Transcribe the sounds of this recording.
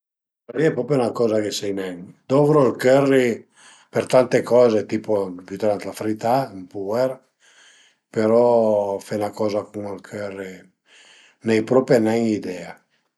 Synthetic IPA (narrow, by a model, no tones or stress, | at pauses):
ariɛpɾɔpɾjonakɔːzakesɛjnɛŋd̪ɔvɾoalkørːi | peɾt̪ant̪ekɔːzet̪iːpopyt̪ɾant̪lafɾit̪ampuɛɾ | peɾɔfɛnakɔːzakuŋalkʰørːi | nɛjpɾɔpenɛŋid̪ɛa